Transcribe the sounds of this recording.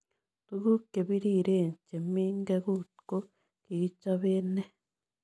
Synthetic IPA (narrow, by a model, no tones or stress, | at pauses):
t̪uɣukeβiɾiɾeːɲt͡ʃemiːŋɡeɣutko | kiɣit͡ʃaβeːne